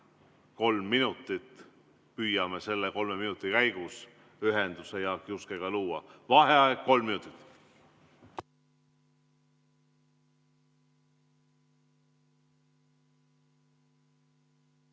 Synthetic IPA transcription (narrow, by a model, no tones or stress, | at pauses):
ko̞lmːinut̪ˑːit̪ | pyːjɑme̞se̞lːeko̞lme̞minut̪ːˑikæjɡ̥us | yɦend̪̥use̞jɑkiuskeɡ̥ɑluːɑ̰vɑɦeɑeko̞lmːinut̪ˑit̪ːˑ